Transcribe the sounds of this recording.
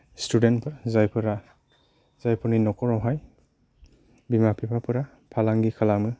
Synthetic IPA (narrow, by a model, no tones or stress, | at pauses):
studentpʰɯɾzajpʰɯɾa | z̥ajpʰɔninɔkɔɾɔwɦaj | bimapʰipʰapʰɯɾa | pʰalaŋɡikʰalamɯ